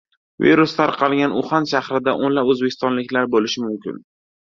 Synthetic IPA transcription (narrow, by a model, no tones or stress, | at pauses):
vḭɾʊst̪ʰaɾqʰɑlˠɡʲanʊχanʃahɾɪd̪aʔonlapɵzbekʲʰɪ̥st̪ɒnlɪkʲlaɾbolɪʃɪmʊmkʲɪ̰n